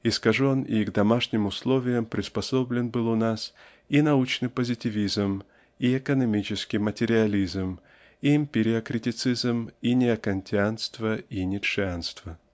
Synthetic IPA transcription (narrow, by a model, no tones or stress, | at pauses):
ɪskɐʐonɪ̰ɡd̪ɐmaʂnʲɪmʊslˠo̞vʲɪjəmpɾʲɪspɐso̞blʲɪnbɨlˠʊnas | inɐut͡ɕnɨpəzʲɪtʲɪvʲizm | iɛkənɐmʲit͡ɕɪskʲɪmətʲɪɾʲɪɐlʲizm | imʲpʲɪɾʲɪɐkɾʲɪtʲɪt̪sɨzminʲɪɐkɐnʲtʲɪanst̪vəinʲɪtʂɨanst̪v̥ə